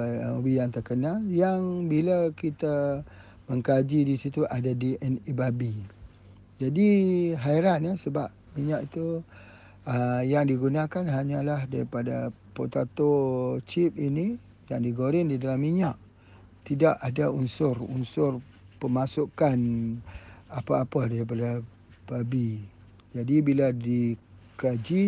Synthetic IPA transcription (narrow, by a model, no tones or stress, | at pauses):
mubijaŋt̪ərkənaljaŋbilakit̪a | məŋkad͡ʒidisit̪uʔadadiʔɛnibabi | d͡ʒadiɦaiɾanasəbap̚miɲaʔit̪u | əjaŋdiɡunakanɦaɲãlahdaɾipada | pot̪at̪ot͡ʃip̚ini | jaŋdiɡoɾɪndidalamːiɲaʔ | t̪idaʔadaunsʊrṵnsʊr | pəmasukan | apaːpadaɾipada | b̥abi | d͡ʒadibiladikad͡ʒi